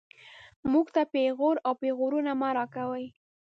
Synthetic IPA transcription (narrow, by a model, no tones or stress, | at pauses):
muɡt̪apeɣoɾawpeɣoɾunamaɾɑkawəj